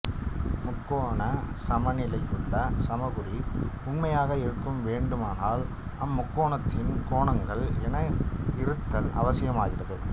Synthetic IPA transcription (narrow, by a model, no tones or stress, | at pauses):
mʊkːoːɳɐsɐmɐnɪlɐjɯɭːɐsɐmɐɣɯɾiʊnmɐjaːɣɐɪɾɯkːɯmʋeːɳɖɯmaːnaːl | ɐmːʊkːoːɳɐt̪ːɪnkoːɳɐŋɡɐɭɛnɐɪɾɯt̪ːɐlɐ̰ʋɐsɪjɐmaːɣɪrɐðɯ